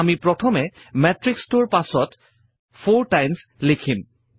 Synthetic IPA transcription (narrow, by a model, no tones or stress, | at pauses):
amipɹɔtʰɔmɛ | mɛtɹikstʊɹpasɔt | pʰoɹtajmslekʰim